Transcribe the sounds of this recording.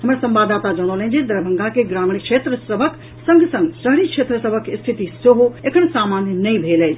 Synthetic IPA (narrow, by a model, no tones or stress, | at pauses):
həməɾsə̃mbad̪at̪ad͡ʒəɽ̃olə̃nd͡ʒed̪əɾbʱəŋɡakeɡɾaːmiɽikʃʰet̪ɾəsəbʱək | sə̃ŋɡsə̃ŋɡsəɦɾikʃʰet̪ɾəsəbʱəkst̪ʰit̪isoɦoekʰəñsamanjənəĩbʱeləjt͡ʃʰ